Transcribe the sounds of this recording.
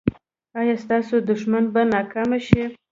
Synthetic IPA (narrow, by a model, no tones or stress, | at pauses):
ɑjɑst̪ɑsod̪ʊʃmanbanɑkamaʃi